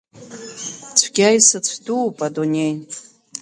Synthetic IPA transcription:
t͡sʷʰɡʲajsɨt͡sʷʰduːpʼadunʲejn

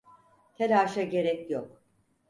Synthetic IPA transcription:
t̪ʰelaːʃaɟe̞ɾɛcjok

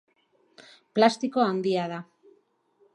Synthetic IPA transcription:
plast̪iko̞and̪iað̞a

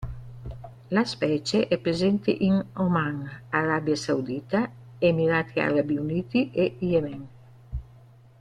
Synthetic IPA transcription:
laspɛːt͡ʃeʔɛpɾezɛnt̪ḛʔiŋomaŋaɾabjasawd̪iːt̪a | emiɾaːt̪ʰia̰ɾabiuniːt̪iʔeijemɛŋ

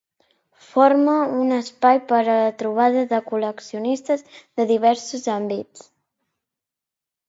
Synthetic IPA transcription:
foɾməunəspajpəɾələt̪ɾuβ̞aðəðəkuləksiunist̪əzðəðiβ̞ɛɾsuzambit͡s

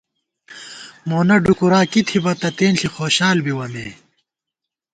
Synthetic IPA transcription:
moːnɐɖukuɾaːkit̪ʰibɐt̪ɐt̪eːnɬixoːɕaːlbiwɐmḛː

